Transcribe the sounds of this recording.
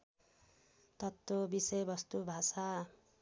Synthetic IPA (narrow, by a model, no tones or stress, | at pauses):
t̪ʌt̪ːobisʌjbʌst̪ubʱasa